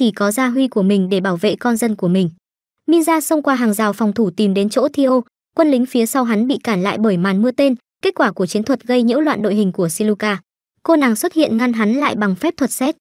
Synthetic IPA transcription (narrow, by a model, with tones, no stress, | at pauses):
t͡ɕi˧˨˩kɔ˨˦zaː˧ɦwi˧ku˧˩əmï˨˩ŋ̟ɗe˧˩ɓaː˧˩wvḛ˧˨kɔ˧nzə˧nku˧˩əmï˨˩ŋ̟ | mi˧ənzaː˧sə˧wŋ͡mkwaː˧ɦaː˨˩ŋzaː˨˩wfɔ˨˩wŋ͡mt̪ʰu˧˩t̪i˨˩mɗe˨˦nt͡ɕo̰˧˥t̪ʰi˧ʔo˧ | kwə˧nlï˨˦ŋ̟fi˨˦əsa˧wɦa˨˦nɓḭ˧˨kaː˧˩nla̰ː˧˨jɓəː˧˩jmaː˨˩nmɨ˧ət̪e˧n | ke˦˥t̚kwaː˧˩ku˧˩ət͡ɕi˨˦nt̪ʰə˨˩t̚ɣə˧jɲḭ˧˥wlwa̰ː˧˨nɗo̰˧˨jɦï˨˩ŋ̟ku˧˩əsi˧lu˧kaː˧ | ko˧naː˨˩ŋswə˦˥t̚hḭ˧˨ənŋa˧nɦa˨˦nla̰ː˧˨jɓa˨˩ŋfɛ˦˥p̚t̪ʰə˨˩t̚sɛ˦˥t̚